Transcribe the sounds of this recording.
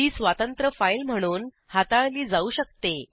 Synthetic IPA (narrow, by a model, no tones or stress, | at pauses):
iːsʋat̪ənt̪ɾəfailm̤əɽ̃uːn | hat̪ãliːd͡zauːɕək̚t̪e